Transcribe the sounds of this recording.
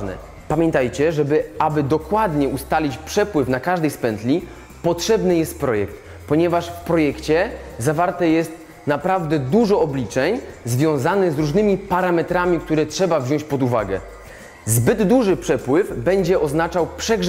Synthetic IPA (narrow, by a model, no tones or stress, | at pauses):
nɛ̰ | pamʲjɛnt̪ajt͡ɕɛʐɛbɘabɘd̪ɔkwad̪ɲɛust̪alʲit͡ɕpʂɛpwɘfnakaʐd̪ɛjspɛnt̪lʲi | pɔtʂɛbnɘjɛst̪̚pɾɔjɛkt̪̚ | pɔɲɛvaʂfpɾɔjɛkt͡ɕɛzavaɾt̪ɛjɛst̪ | napɾavd̪ɛd̪uʐɔɔblʲit͡ʂɛɲzvʲjɔ̃w̃zanɘzɾuʐnɘmʲipaɾamɛt̪ɾamʲik̚t̪uɾɛtʂɛbavʑɔ̃ɕt͡ɕʲpɔd̪uvaɡɛ̰ | zbɘd̪ːuʐɘpʂɛpwɘvbɛɲd͡ʑɛʔɔznat͡ʂawpʂɛɡʐ